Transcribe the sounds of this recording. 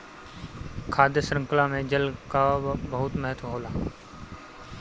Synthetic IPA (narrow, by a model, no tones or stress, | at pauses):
kʰaːd̪jəsɾə̃ŋklãmẽd͡ʒəlkabəɦʊt̪mɛɦət̪ʰʋɦoːlaː